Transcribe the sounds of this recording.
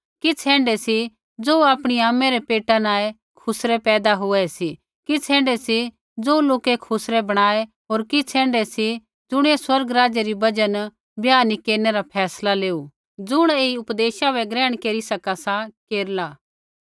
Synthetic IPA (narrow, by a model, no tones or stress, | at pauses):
kit͡sʰɛ̃ːɳɖɛsi | d͡zoːaːpɽ̃iaːmɛɾepeːʈanaːe | kʰʊsɾɛpɛːd̪aɦʊɛsi | kit͡sʰɛ̃ːɳɖɛsi | d͡zoːloːkekʰʊsɾebɐɽ̃aːe | ɦoːɾkit͡sʰɛ̃ːɳɖɛsi | d͡zʊɽ̃eswɐɾɡɾaːd͡ʒeɾibɐd͡ʒən | bjaːnikeːɾneɾapʰɛːslaleːu | d͡zʊɽ̃eːiʊpd̪eːʃabɛɡɾɛ̃ːɽ̃keːɾisɐkasakeːɾlaː